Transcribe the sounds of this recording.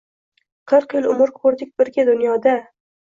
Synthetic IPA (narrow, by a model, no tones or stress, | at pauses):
qʰɨɾqjɪlˠʊmʊɾkʰoɾd̪ɪk̚ʲbɪɾɡʲad̪ʊnjɒd̪a